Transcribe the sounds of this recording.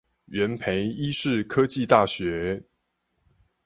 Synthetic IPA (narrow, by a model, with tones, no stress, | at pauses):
ɥɛ˨˥npʰe˧˥ɪi˦˥ʂɻ̩˥˩kʰɤ˦t͡ɕi˥˧t̪a˥˩ɕɥɛ˨˧˥